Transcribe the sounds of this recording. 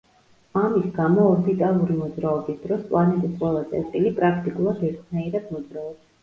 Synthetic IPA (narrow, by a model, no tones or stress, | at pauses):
amisɡamɔːbit̪ʼalˠuɾimɔd̪zɾaɔbisd̪ɾɔspʼlˠanɛt̪ʼisqʼwɛlˠat̪sʼɛ̰ɾt̪ʼilipʼɾakʰt̪ʼikʼulˠad̪ɛɾt̪ʰnaiɾɛd̪mɔd̪zɾaɔbas